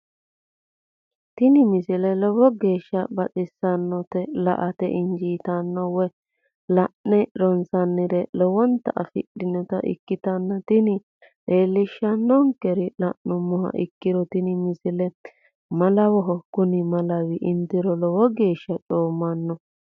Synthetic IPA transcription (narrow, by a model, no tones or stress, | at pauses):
t̪ɪnɪmɪsɪlɛlɔwɔɡe̞ːʃːɐbɐt͡ʃʼɪsːɐnːɔt̪ɛlɐ̰ʔɐt̪ɛ̰ʔɪnd͡ʒiːt̪ɐnːɔwɔ | lɐʔːɛɾɔnsɐnːɪɾɛlɔwɔnt̪ɐʔɐ̰fɪ̰ɗɪnɔt̪ɐ̰ʔɪ̰kːɪt̪ɐnːɐt̪ɪnɪ | ɗe̞ːlːɪʃːɐnːɔŋkɛɾɪlɐʔnʊmːɔɦɐ̰ʔɪkːɪɾɔt̪ɪnɪmɪsɪlɛ | mɐlɐwɔɦɔkʊnɪmɐlɐwɪʔɪnt̪ɪɾɔlɔwɔɡe̞ːʃːɐt͡ʃʼo̞ːmːɐnːɔ